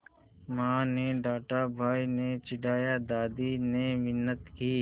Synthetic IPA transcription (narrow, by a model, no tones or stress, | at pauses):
mãːneɖaːʈaːbʱaːiːneːt͡ʃɪɖʱaːjaːd̪aːd̪iːneːmɪnːət̪kiː